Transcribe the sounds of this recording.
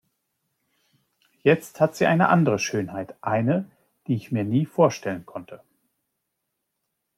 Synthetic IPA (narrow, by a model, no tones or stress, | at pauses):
jɛt͡sthatz̥iːʔaɪnə̰ʔa̰ndəʁəʃøːnhaɪtʔaɪnə | d̥iːɪçmiːɐniːfoːɐʃtɛlənkʰɔntʰə